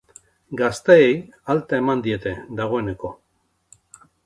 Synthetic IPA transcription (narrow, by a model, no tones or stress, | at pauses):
ɡast̪eejalt̪ae̞mand̪ie̞t̪e̞d̪aɣ̞o̞e̞ne̞ko̞